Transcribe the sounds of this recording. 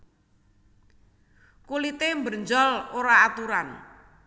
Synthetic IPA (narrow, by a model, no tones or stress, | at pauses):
kulit̪embərɲd͡ʒɔloɾaːt̪uɾan